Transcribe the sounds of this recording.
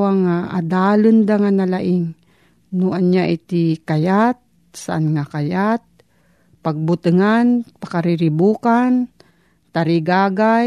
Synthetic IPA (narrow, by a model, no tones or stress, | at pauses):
waŋaʔa̰d̪aːlɨnd̪aŋanalaʔɪŋ | nʊʔanjaʔɪt̪ɪkajat̪̚ | saʔanŋakajat̪̚ | paɡ̚bʊt̪ɨŋanpakaɾɪɾɪbuːkan | t̪aɾɪɡaːɡa